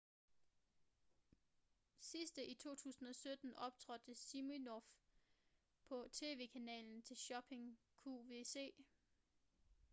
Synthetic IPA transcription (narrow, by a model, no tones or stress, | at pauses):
sisd̥əʔit͡sʰo̝̰ːt͡sʰṵːsn̩ɒ̽sød̥n̩ɒ̽b̥̚t͡sʰʁɒ̽d̥əsiminɒf | pʰɒ̽t͡sʰe̝̰ːʋe̝̰ːkʰænɛ̰ːln̩t͡sʰe̝lɕɒ̽b̥ʰe̝ŋ | kʰuʋe̝se̝̰ː